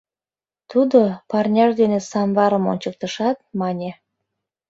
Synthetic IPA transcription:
t̪ud̪opɑrnʲɑʒd̪enesɑmβɑɾəmo̰nʲt͡ɕək̚t̪əʃɑt̪̚mɑnʲe

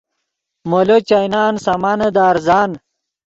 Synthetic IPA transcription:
molot͡ɕajnaːnsɐmanɐd̪aːɾzaːn

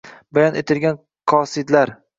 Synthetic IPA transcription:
bajɒnʔet̪ʰɪlɡʲan | qʰɒsɪd̪laɾ

